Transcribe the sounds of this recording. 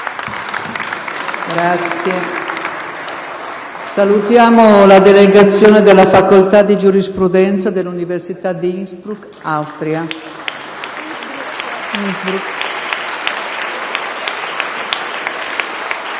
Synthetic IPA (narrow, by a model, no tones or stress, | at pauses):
ɡɾat̪sje | salut̪jaːmolad̪eleɡat̪sːjoːned̪elːafakolt̪ad̪id͡ʒuɾispɾud̪ɛnt̪sad̪elːuniversit̪ad̪iisbɾuk | awst̪ɾia | izbɾuk